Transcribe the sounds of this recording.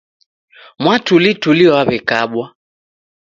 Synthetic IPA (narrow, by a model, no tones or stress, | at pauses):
mwatulituliɔwaβɛkaɓwa